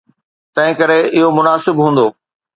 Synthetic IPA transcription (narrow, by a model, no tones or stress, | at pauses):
t̪ɐ̃ɦɪ̃kɐɾeɪɦomʊnaːsɪbɦũːn̆d̪oː